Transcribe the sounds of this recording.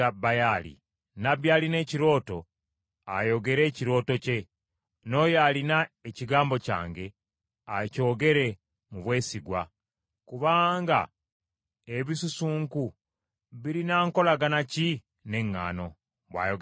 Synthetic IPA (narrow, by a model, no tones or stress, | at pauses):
abajalḭ | naβjaːline̞ːciɾo̞ːto̞ | ajo̞ɡe̞ɾe̞ːciɾo̞ːto̞ce̞ | no̞ːjalinaeciɡaːmbo̞ca̰ːŋɡe̞ | aco̞ːɡe̞ɾe̞ | muβwe̞ːsiɡwa̰ | kuβaːŋɡa̰ | eβisusuːŋku | βiɾinaːŋko̞laɡanaci | ne̞ŋːa̰ːno̞ | βwa̰ːjoɡ